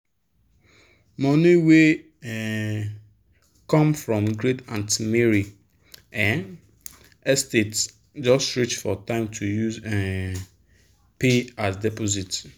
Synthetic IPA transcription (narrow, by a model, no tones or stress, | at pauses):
mɔ̃niwe | ɛ | kɔ̃mfɹɔ̃mɡɹetãntimeɹi | ɛ̃n | ɛstet | d͡ʒɔstɹit͡ʃfɔtãɪ̃mtʰujuzɛ̃ | peatdɛpozit